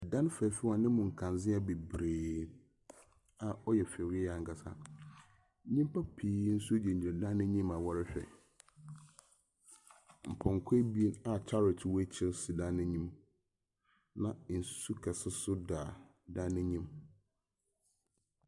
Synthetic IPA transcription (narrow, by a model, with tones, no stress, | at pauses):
dã˦n˦fɛ˨fɪ˦wã˨nɪ̃˦mʊ̃˨ŋ̩˨kʰã˨n˨zɪ̃˦a˦be˨bɾeː˨ | a˨ɔ˦jɛ˨fɛ˨ɾi˦a˨ŋ̩˨ka˨sa˦ | ɲĩ˦m˦pʰa˦pʰiː˦n̩˦su˦dɛ˨ɲ̩˨d͡ʑɪ˨ɛ˨dã˦nɪ̃˦ɲĩ˦ma˨wɔ˦ɾɪ˦ɕᶣɛ̰˨ | m̩˨pʰɔ̃˨ŋ˨kʰe˦bi˦e˦na˨tʰa˦ɾɪ˨tʰwɔ˦t͡ɕʰɪ˦ɾsi˨dã˦nɪ̃˦ɲĩ˦m | nã˨n̩˨ssu˦kʰɛ˨sɪ˦sʊ˦daː˨ | dã˦nɪ̃˦ɲĩ˦m